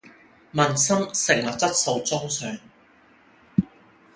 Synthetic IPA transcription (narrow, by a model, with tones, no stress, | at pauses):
mɐ˨nsɐ˥msɪ˨ŋwɐ˨˩t̚t͡sɐ˥t̚so˨˧wt͡sʊ˥ŋsœː˨ŋ